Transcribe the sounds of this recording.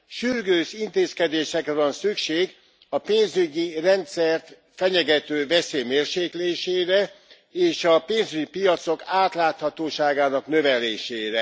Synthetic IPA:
ʃyrɡøːʃint̪eːskɛd̪eːʃɛkɾɛvɒnsykʃeːɡ | ɒpeːnzyɟirɛnt̪sɛrt̪ | fɛɲɛɡɛt̪øːvɛseːmeːrʃeːkleːʃeːɾɛ | eːʃɒpeːnzyɟipijɒt̪so̞kaːt̪laːt̪hɒt̪oːʃaːɡaːnɒknø̞vɛleːʃeːɾɛ

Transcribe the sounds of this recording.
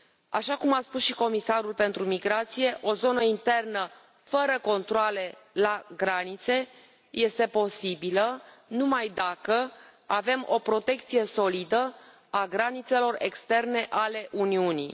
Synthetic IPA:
a̰ʃakumaspusʃiko̞misaɾulpe̞nt̪ɾumiɡɾat̪sije̞ʔo̞zo̞nəint̪e̞rnə | fəɾəko̞nt̪ɾoale̞laɡɾanit̪se̞ | je̞st̪e̞po̞sibilənumajd̪akə | ave̞mo̞pɾo̞t̪e̞kt̪sije̞so̞lid̪ə | aɡɾanit̪se̞lo̞re̞̰kst̪e̞rne̞ʔale̞ʔuniunḭ

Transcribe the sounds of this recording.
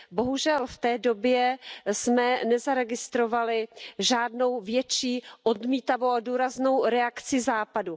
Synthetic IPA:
bo̞ɦuʒɛlft̪ɛːdo̞bjɛsmɛnɛzaɾɛɡɪst̪ɾo̞valɪʒaːdno̞wvjɛt͡ʃiːʔo̞dmiːt̪avowaduːɾazno̞wɾɛakt͡sɪzaːpadu

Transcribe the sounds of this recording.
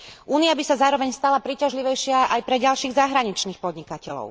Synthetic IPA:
ʔuːniabisazaːɾɔʋɛɲst̪alapɾiːcaʒliʋɛjʃɪaʔajpɾɛɟalʃiːɣzaɦɾaɲit͡ʃniːxpɔd̪ɲikacɛlɔ̰ʊ

